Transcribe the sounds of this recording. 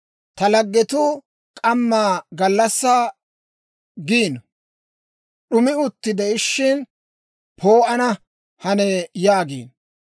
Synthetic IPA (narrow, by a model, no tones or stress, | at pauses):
t̪ɐlɐɡːɛt̪u | kʼɐmːaːɡɐlːɐsːɐː | ɡiːn | ɗʊmɪʊt̪ːɪd̪ɛɪʃːɪn | pʰoːʔɐnɐ | hɐnɛjaːɡḭːn